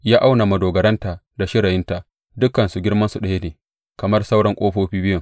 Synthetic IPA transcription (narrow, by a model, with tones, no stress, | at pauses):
jaː˦ʔa˦wna˨mɐ˨doː˨ɡɐ˨ɾɐ˦nta˨ | da˨ʃɪ˦ɾɐ˨jɪ˦nta˨ʔ | dʊ˦kːɐ˨nsu˨ɡʲɪ˦rmɐ˦nsu˨ɗɐ˨je˦neː˨ | kɐ˨mɐ˦rsa˦wɽɐ˦ŋkʷʼoː˦ɸoː˦ɸiː˦bɪ˦jʊ˨ŋ